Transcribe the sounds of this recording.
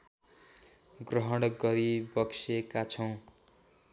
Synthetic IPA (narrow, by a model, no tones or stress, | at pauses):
ɡrʌɦʌɽɡʌɾibʌksekat͡sʰʌw̃